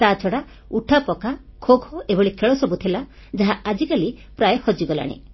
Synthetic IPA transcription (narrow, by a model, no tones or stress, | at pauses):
t̪at͡ʃʰɔɽa | uʈʰapɔkakʰoɡʱɔʔebɔɽikʰeɭɔsɔbut̪ʰela | d͡ʒaɦaad͡ʒikalipɾajɔhɔd͡ʒiɡɔla̰ɽ̃ḛ